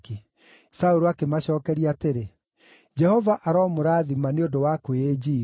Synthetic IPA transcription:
ki | sauɾoakemaɕɔːkɛɾiateɾe | d͡ʒɛhɔvaʔaɾɔːmoɾaːðimaneondowakwed͡ʒiː

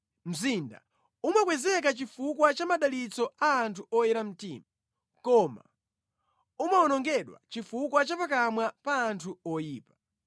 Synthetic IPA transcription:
m̩zinda̰ | umakwɛzɛk̬at͡ʃifukwat͡ʃamaɗalit͡sɔaːntʰuɔjɛɾam̩tḭːma | kɔma̰ | umaɔnɔŋɡɛɗwa̰t͡ʃifukwat͡ʃapak̬amwapaːntʰuɔjiːpḁ

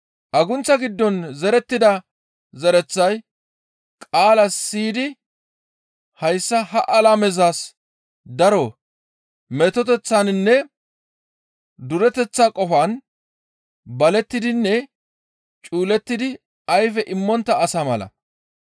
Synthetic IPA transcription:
ʔɐɡʊnt͡sːɐɡɪd̪ːɔnzɛɾɛt̪ːɪd̪ɐ | zɛɾɛt͡sːɐj | kʼaːlɐsːiːd̪ɪ | hɐjsːɐɦɐʔɐlamɛzaːs | d̪ɐɾɔ | mɛt̪ɔt̪ɛt͡sːannːɛ | d̪ʊɾɛt̪ɛt͡sːaːkʼɔfaːn | bɐlɛt̪ːɪd̪ɪnːɛ | t͡ʃʼuːlɛt̪ːɪd̪ɪ | ɐjfɛʔɪmːɔnt̪ːɐːsamɐlɐ̰

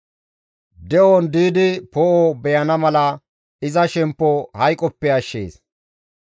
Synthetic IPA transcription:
d̪ɛʔond̪iːd̪ɪpoʔobɛjɐnɐmɐlɐ | ɪzɐʃɛmpːɔhɐjkʼɔpːɛɐʃːeːs

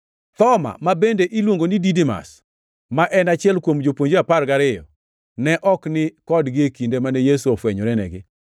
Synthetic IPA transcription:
t̪ɔma̰mabendeʔilwoŋɡonididima̰s | maʔɛnat͡ʃɪɛlkwomd͡ʒopwoɲd͡ʒeaparɡaɾɪjɔ̰ | nɛʔɔknɪkɔdɡɪekindemanɛjesuofwɛɲɔɾɛnɛ̰ɡɪ

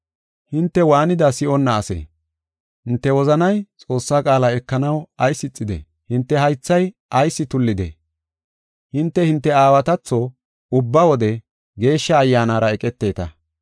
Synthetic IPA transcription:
hɪnt̪ːɛwaːnɪd̪ɐsɪɔnːɐːsḛː | hɪnt̪ːɛwɔzɐnɐjt͡sʼo̞ːsːaːkʼaːlaɛkːɐnɐwɐjsːɪt͡sʼːɪd̪ɛ̰ | hɪnt̪ːɛɦɐjt͡sːɐj | ʔɐjsːɪt̪ʊlːɪd̪ḛ | hɪnt̪ːɛhɪnt̪ːɛaːwɐt̪ɐt͡sːo | ʊbːɐwɔd̪ɛ | ɡe̞ːʃːɐːjːaːnaːɾɐɛkʼɛt̪ːe̞ːt̪ɐ

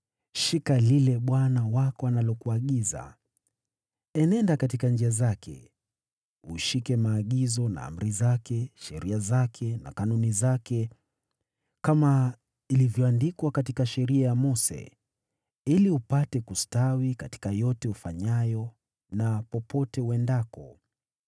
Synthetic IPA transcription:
ʃikalilɛɓwanawakɔanalɔkuaɠiza̰ | ɛnɛndakatikand͡ʒiazakʰɛ̰ | ṵʃikɛmaːɠizɔna̰a̰m̩ɾizakʰɛʃɛɾʔiazakʰɛna̰kanunizakɛ | kama | ilivjɔandikwakatikaʃɛɾiajamɔsɛ̰ | iliupatɛkustawikati̥kajɔtɛufaɲajɔ | napɔpʰɔtɛuwɛndakɔ

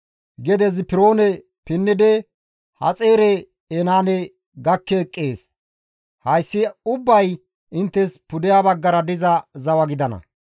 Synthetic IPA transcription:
ɡɛd̪ɛzɪpɪɾo̞ːnɛ | pɪnːɪd̪ɛ | hɐ̰t͡sʼe̞ːɾɛ | ɛnaːnɛ | ɡɐkːɛkʼːeːs | hɐjsːɪʊbːɐj | ɪnt̪ːɛspʊd̪ɪjaːbɐɡːɐɾɐd̪ɪzɐzɐwɐɡɪd̪ɐnɐ̰

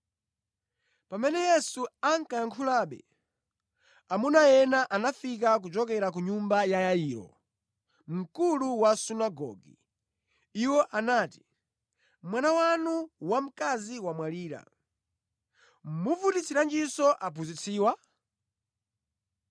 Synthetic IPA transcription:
pamɛnɛjɛsuaŋ̩kajaŋkʰulaɓɛ̰ | amunajɛnaʔanafik̬ak̬ud͡ʒɔk̬ɛɾak̬uɲumbajajajiːɾɔ̰ | m̩kuluwasunaɡɔ̰ɡḭ | iwɔʔanaːti̥ | mwanawanuwam̩kaziwamwaliːɾa̰ | muvutit͡siɾand͡ʒisɔʔap̬uzit͡sʰiːwa

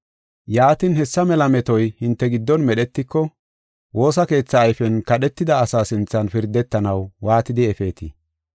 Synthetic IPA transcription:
jaːt̪ɪnhɛsːɐmɛlɐmɛt̪ɔjhɪnt̪ːɛɡɪd̪ːɔnmɛɗɛt̪ːɪkːɔ | wo̞ːs̬ɐke̞ːt͡sːɐːjfɛnkɐɗɛt̪ːɪd̪ɐːsaːsɪnt͡sːɐnfɪɾd̪ːɛt̪ːɐnɐwwaːt̪ɪd̪ɪɛfe̞ːt̪ḭ

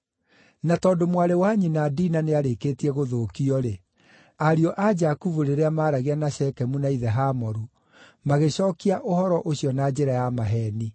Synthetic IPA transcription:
natɔːdomwaɾewaɲinadinaneaɾekeːtiɛɣoðoːkiɔɾe | aɾiɔʔad͡ʒakuvuɾeɾeamaːɾaɣeanaɕɛkɛmunaiðɛɦamɔɾu | maɣeɕɔːkiaʔohɔɾɔʔoɕiɔnad͡ʑeɾajamaɦɛːni

